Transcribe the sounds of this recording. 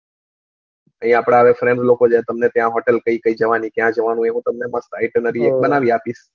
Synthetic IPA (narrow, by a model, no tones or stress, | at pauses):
əɦĩaːpɽ̃aəʋefɾɛ̃ɳɖlokod͡ʒet̪əmnet̪jãɦɔʈəlkəikəid͡ʒəʋanikjãd͡ʒəʋanũeɦũt̪əmneməst̪aɪʈənəɾiek̚bənaʋiapis